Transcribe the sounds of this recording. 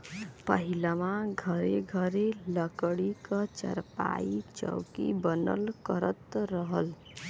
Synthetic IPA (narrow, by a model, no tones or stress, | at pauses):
pəɦilamaɡʱəɾeɡʱəɾeləkɽikət͡ʃə̰ɾpa̰it͡ʃə̰wkḭbənəlkəɾət̪ɾəɦəl